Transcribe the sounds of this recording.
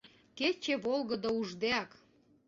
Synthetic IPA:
ket͡ɕeβolɣəd̪ouʒd̪eɑk

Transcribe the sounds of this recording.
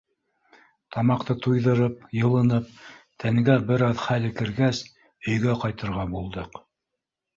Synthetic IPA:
t̪ɑmɑqt̪ɤt̪ujðɤ̆ɾɤp̚jɤ̆lˠɤ̆nɤp̚t̪ʰæŋɡæbɘ̆ɾɑðχælɘ̆kɘ̆ɾɡæs | ɵ̆jɡæqɑjt̪ɤ̆ɾʁɑbulˠd̪ɤq

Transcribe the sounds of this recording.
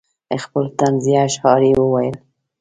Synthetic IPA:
əxpəlt̪anziaʃhɑɾiwəwajəl

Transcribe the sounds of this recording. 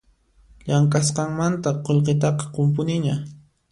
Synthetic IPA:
ʎaŋkʼasqɑŋmant̪aqoʎqet̪ɑqɑ̥qʊmpʊnɪɲa

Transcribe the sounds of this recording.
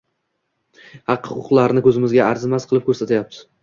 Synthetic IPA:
hɑqhʊqʊqlˠaɾnɪkʰʲɵzɪmɪzɡʲaːɾzɪmasqʰɨlˠɪp̚kʰʲɵɾsat̪ʰajap̚t̪ʰɪ̥

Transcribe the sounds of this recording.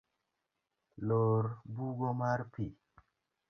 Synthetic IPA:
loɾbuɡomaɾpi

